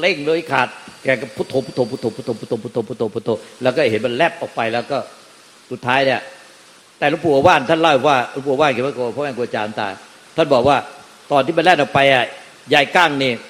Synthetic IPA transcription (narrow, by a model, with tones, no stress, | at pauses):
le˥˩ŋloː˧˩i˦˩kʰaː˨˩t̪̚kɛː˨˩ka˧˩pʰu˦˥˩t̪ʰːo˧mʰu˦˥t̪ʰo˧mpʰu˥t̪ʰːo˧mpu˦˥t̪ʰo˧mpu˦˥t̪ʰo˧mʰu˦˥t̪ʰo˧mpʰu˦˥t̪ʰːo˧mpʰu˦˥t̪ʰo˧˦lɛː˦˥wkɔː˥˩˨ɦe˨˦nma˧nlɛ˥˩p̚ʔɔː˨˩k̚pa˧jlɛː˦˥˩wkɔː˥˩ | su˨˩t̪ʰːaː˦˥jni˧˩ɐ˨˩ | t̪ɛː˨˩lo˦˥˩pʰuː˨˧˩ʔaː˧waː˥˩n˧t̪ʰa˥˨la˧˩wɔ˨˩kwaː˥˩lo˦˥˩puː˨˧˨waː˥˩nki˨˦ma˥˩ko˧˩˨pʰɔ˦˥mɛː˧˩ku˧˨ʔa˧t͡ɕaː˧n˨˦t̪a̰ː˧˩ | t̪ʰa˥˩nbɔː˨˩k̚waː˥˩ | t̪ɔː˨nt̪ʰiː˥˩m˧nlɛː˥˩nʔɔː˨k̚pa˧jʔa˨˩ | jaː˧˩jkaː˥˩ŋniː˧˩